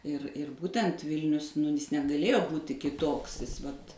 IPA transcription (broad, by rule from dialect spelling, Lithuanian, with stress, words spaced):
ɪr ɪr ˈbuːtʲɛnt ˈʋʲɪlʲnʲʊs nʊ ˈjɪs nʲɛɡɐˈlʲeːjoː ˈbuːtʲɪ kʲɪˈtoːks ˈʋɐt